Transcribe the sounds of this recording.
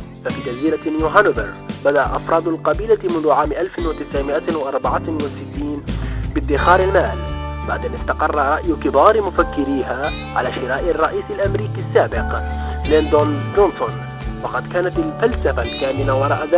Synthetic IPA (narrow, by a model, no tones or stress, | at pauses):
fafiːd͡ʒaziːlanjuːɦanbɪɾ | bad̪aʔaʔɑfɾˤɑːd̪ˤʊlqɑbiːlamʊnðʊʕaːmʔalfɪnwat̪ɪsʕɪmɪʔawʔɑɾˤbɑʕawɪsɪt̪ːiːnbɪd̪ːɪxɑːɾɪlmaːlba̰ʕd̪ʔanɪst̪ɑqɑrˤːɑɾˤɑʔjʊkɪbɑːɾmʊfakːɪɾiːɦa | ʕa̰laːʃɪɾɑːʔɪrˤːɑʔiːsɪlʔamɾiːkisːaːbɪqlɪnt̪ʊnʊnt̪ʊn | wɑqɑd̪kaːnat̪ɪlfalsafalkaːmɪnawɑɾˤɑːʔaða